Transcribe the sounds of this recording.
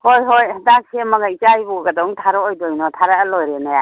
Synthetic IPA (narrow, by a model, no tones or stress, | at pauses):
hojɦojdaŋsʰemaŋait͡ʃajbɔɡadɔŋtʰaɾɔɔjdɔjnɔtʰaɾaəlɔjɾenaja